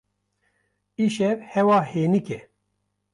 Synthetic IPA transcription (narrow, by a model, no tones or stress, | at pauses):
iʃɛvhɛwɑːheːnikɛ